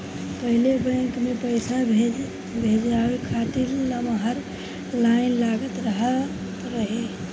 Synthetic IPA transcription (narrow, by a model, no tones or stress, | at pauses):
pəɦilebə̃kmepəjsa | bʱed͡ʒawekʰat̪iɾləməɦəɾ | lainlaɡət̪ɾəɦə | t̪ɾəɦe